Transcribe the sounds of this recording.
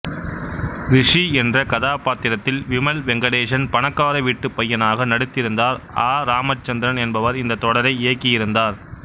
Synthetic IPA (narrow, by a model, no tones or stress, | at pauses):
ɾɪʂiɛndrɐkɐðaːpaːt̪ɪɾɐt̪ːɪlʋɪmɐlʋɛŋɡɐɽeːʂɐnpɐɳɐkːaːɾɐʋiːʈːɯpːɐjːɐnaːɣɐnɐɽɯt̪ːɪɾɯnd̪aːɾaːɾaːmɐt͡ʃːɐnd̪ɐɾɐnɛnbɐʋɐɾɪnd̪ɐt̪ːɔɽɐɾɐɪɪjɐkːɪjɪɾɯnd̪aːɾ